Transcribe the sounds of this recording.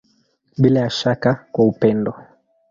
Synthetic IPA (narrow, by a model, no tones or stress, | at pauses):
ɓilajaʃakakwaupɛndɔ